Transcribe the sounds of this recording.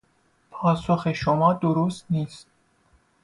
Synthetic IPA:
pʰɒːsoxeʃomɒːd̪oɾost̪niːst̪̚

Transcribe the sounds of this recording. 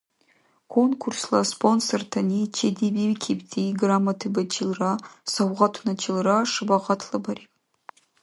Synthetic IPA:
kʰonkʰurslaspʰonsortʰanit͡ʃʰedibirkʲʰiptʰiɡramatʰɨbat͡ʃʰilrasawʁɑtʷʰunat͡ʃʰɪlraʂɨbaʁɑtʰlɨbaɾipʼ

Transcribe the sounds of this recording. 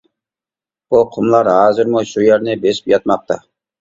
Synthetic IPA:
buqʰʊmlˠɑɾɦɑːzɪɾmʊʃujɛɾnɪbeʃɪ̥pjɑt̪̚mɑq̚t̪ɑ̰

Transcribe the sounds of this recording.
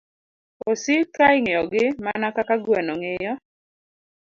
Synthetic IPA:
osɪtɾaɪŋɔɡɪmanakakaɡwɛnoŋejɔ

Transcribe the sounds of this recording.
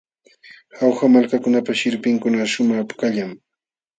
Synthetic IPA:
xawxamalkakʊnapaʃɪɾpɪŋkʊnaʃʊmɑχpkaʎam

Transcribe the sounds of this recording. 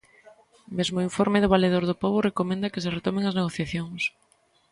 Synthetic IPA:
mezmʊiɱfoɾmeðʊβaleðoɾðopoβʊrekomẽnd̪ɐkɪs̬eret̪omeŋɐzneɣ̞oθjaθjoŋs

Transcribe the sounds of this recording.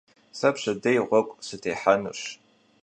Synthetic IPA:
sɐpɕɐdɐjʁʷɔkʷʼsɨtʰeːħanɨ̰ɕ

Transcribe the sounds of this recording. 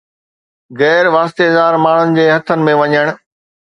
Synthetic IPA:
ɣɛːɾʋaːst̪ezaːɾmaːɳ̤ənɪ̆d͡ʑeːɦɐt̪ʰənɪ̆mẽʋɐɲəɽ̃̆

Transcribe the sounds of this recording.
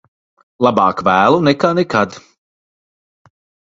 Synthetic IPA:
lˠabɑːkvæːlˠunɛkaːnɛkad̪

